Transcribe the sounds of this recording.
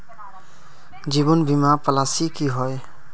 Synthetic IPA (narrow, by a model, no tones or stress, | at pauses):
d͡ʒibɔnbimapəlasikiɦɔj